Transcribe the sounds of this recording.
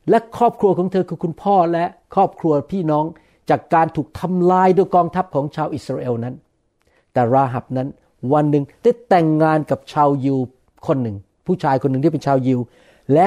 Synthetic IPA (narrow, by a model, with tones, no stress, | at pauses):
lɛ˦˥kʰɔː˥˩p̚kʰɾu˧ɐkʰɔː˩˦ŋt̪ʰɤː˧kʰɯː˧kʰu˧npʰɔː˥˩lɛ˦˥ʔkʰɔː˥˩p̚kʰɾu˧ɐpʰiː˥˩nɔː˦˥ŋ | t͡ɕaː˨˩kːaː˧nt̪ʰuː˨˩k̚t̪ʰa˧mlaː˧jdu˧jkɔː˧ŋt̪ʰa˦˥p̚kʰɔː˩˦ŋt͡ɕʰaː˧wʔi˨˩sɾaː˧ʔeː˧wna˦˥n | t̪ɛː˨˩ɾaː˧ɦa˨˩p̚na˦˥n | wa˧nːɯ˨˩ŋdaː˥˩jt̪ɛ˨˩ŋːaː˧nka˨˩p̚t͡ɕʰaː˧wji˧w | kʰo˧nːɯ˨˩ŋ | pʰuː˥˩t͡ɕʰaː˧jkʰo˧nː˨˩ŋʰiː˥˩pe˧nt͡ɕʰaː˧wji˧w | lɛ˦˥